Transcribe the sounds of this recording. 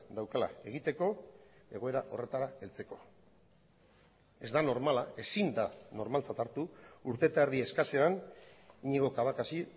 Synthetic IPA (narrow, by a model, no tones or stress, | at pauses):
d̪awkala̰e̞ɣ̞it̪e̞ko̞eɣ̞o̞e̞ɾaʔo̞re̞t̪aɾae̞lt͡se̞ko̞ | e̞zd̪ano̞ɾmalae̞sind̪ano̞ɾmalt͡sat̪aɾt̪uuɾt̪e̞t̪aeɾðie̞skaseaniɲeɣo̞kaβ̞akasi